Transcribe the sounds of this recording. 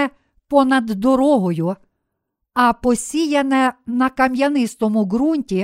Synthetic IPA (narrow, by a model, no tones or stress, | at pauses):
ɛ | pɔnɐd̪ːɔɾɔɦɔjʊ | ɐpɔsʲijɐnɛnɐkɐmjɐnɪst̪ɔmʊɦɾunʲtʲi